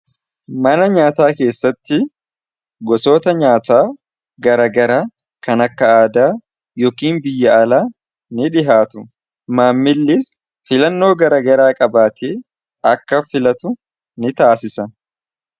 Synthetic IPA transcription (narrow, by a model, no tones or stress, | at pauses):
mɐnɐɲaːt̪aːke̞ːsːɐt̪ːɪ | ɡɔso̞ːt̪ɐɲaːt̪aː | ɡɐɾɐɡɐɾaː | kɐnɐkːɐaːd̪aː | jɔːkiːnbɪjːɐːlaː | nɪᶑɪɦaːt̪ʊ | maːmːɪlːɪs | fɪlɐnːo̞ːɡɐɾɐɡɐɾaːkʼɐbaːt̪ʰeː | ɐkːɐfɪlɐt̪ʊ | nɪt̪aːsɪsɐ